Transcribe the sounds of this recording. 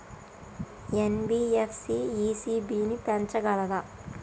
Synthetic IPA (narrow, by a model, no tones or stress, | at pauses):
enbiːefʰsiːiːsiːbiːnipɛnt͡ʃɐɡɐlɐd̪ɐ